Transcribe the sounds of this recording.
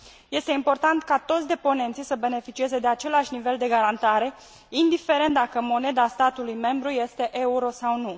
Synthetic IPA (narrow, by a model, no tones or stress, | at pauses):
je̞st̪e̞impo̞rt̪ant̪kat̪o̞t̪sʲd̪e̞po̞ne̞nt̪sijsəbe̞ne̞fit͡ʃie̞ze̞d̪e̞at͡ʃe̞laʃʲnive̞ld̪e̞ɡaɾant̪aɾe̞ | ind̪ife̞ɾe̞nt̪̚d̪akəmo̞ne̞d̪ast̪at̪ulujme̞mbɾuje̞st̪e̞ʔe̞uɾo̞sawnu